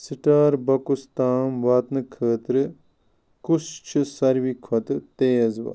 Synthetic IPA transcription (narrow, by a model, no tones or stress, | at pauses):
siʈaːɾbɐkust̪aːmʋaːt̪nɨkʰəːt̪ɾɨ | kust͡ʃʰisɐɾʋikʰʋɐt̪ɨt̪eːzʋa̰